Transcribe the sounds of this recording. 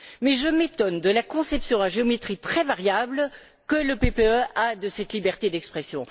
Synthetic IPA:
mɛʒəmet̪ɔnd̪əlakɔ̃sɛpsjɔ̃aʒeomet̪χit̪χɛvaʁjabl | kələpepeøad̪əsɛt̪libɛʁt̪ed̪ɛkspχɛsjɔ̃

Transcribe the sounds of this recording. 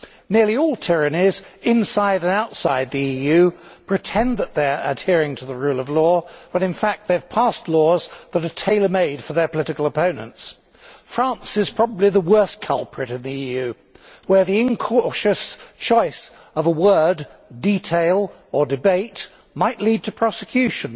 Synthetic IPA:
nɪɹlˠiɔlˠtʰɪɹɨnizɪ̃nsaɪɾɨ̃naʊtsaɪd̪̚ðiijʉpʰɹ̥ɨtʰɛ̃nðət̪̚ðə˞ɨ̰d̚hɪɹɪ̃ŋtʰəðəɹʉlˠʌvlɔwə̃ɾɨ̃nfæk̚t̪̚ðev̥pʰæstˡlɔzðəɾɨtʰeɪlˠə˞meɪd̥fə˞ðə˞pəlɪɾɨkəl̩ˠəpʰõʊ̃nɨ̰̃nts | fɹæ̃nsɨz̥pʰɹ̥ɑbəbliðəwɜ˞skʰʌlˠpʰɹ̥ɨɾɨ̃nðiijʉ | wə˞ðiɨ̃nkʰɔʃɨst͡ʃʰɔɪs | ʌvəwɜ˞dditʰeɪlˠ | ə˞dɨbeɪt | maɪʔlid̚tʰɨpʰɹ̥ɑsɨkʰj̥ʉʃɨ̃n

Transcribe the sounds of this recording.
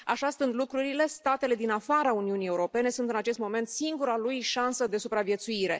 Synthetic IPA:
aʃast̪ɨnt̪lukɾuɾile̞st̪at̪e̞le̞d̪inafaɾauniunije̞uɾo̞pe̞ne̞sunt̪ɨnat͡ʃe̞st̪mo̞me̞nt̪siŋɡuɾalujʃansəd̪e̞supɾavje̞t̪suiɾe̞

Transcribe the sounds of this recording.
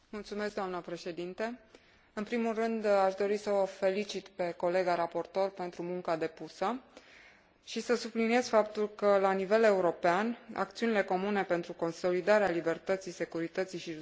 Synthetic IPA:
mult̪sumeskɡd̪oamnəpɾe̞ʃe̞d̪int̪e | ɨnpɾimulrɨnd̪aʃd̪o̞ɾisəvəfe̞lit͡ʃit̪pe̞ko̞le̞ɡaɾapo̞rt̪o̞rpe̞nt̪ɾumuŋkad̪e̞pusə | ʃisəsublinie̞zfapt̪ulkəlanive̞le̞uɾo̞peana̰k̚t̪siunile̞ko̞mune̞pe̞nt̪ɾuko̞nso̞lid̪aɾealibe̞rt̪ət̪sise̞kuɾit̪ət̪siʃi

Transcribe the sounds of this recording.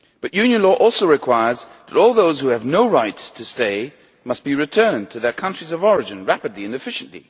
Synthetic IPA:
b̥ʌʔjʉ̃njɨ̃nlɔʔɔlˠsoʊɹɨkʰw̥aɪə˞zðɨɾɔlˠðoʊz̥huɨvnoʊɹaɪtʰɨsteɪ | mʌst̚b̥iɹɨtʰɜ̃˞ntʰɨðə˞kʰʌ̃nt͡ʃɹ̥izʌvɔɹɨd͡ʒɨ̃nɹæpɨdˡliɨ̃nɨfɪʃɨ̃n̩ʔlḭ

